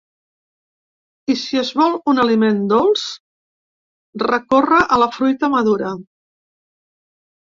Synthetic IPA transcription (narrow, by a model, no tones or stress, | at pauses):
isiəzβɔlˠunəlimend̪olˠs | rəkorəʔələfɾujt̪əməðuɾə